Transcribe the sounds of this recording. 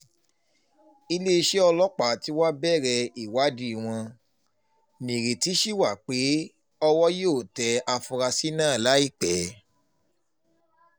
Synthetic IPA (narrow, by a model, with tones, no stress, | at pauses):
i˧le˦˧ʃe˦ɔ˧lɔ˦k͡pa˨ti˨˦wa˦bɛ˦˨ɾɛ˧i˨wa˨˦di˦˨w̃ɔ̃˧ | nĩ˨ɾe˨ti˨˦ʃi˦˨wa˦˨k͡pe˨˦ | ɔ˧wɔ˦joː˦˨tɛ˨˦a˧fu˧ɾa˧si˦nãː˦˨la˨˦i˦˨k͡pɛ˨˦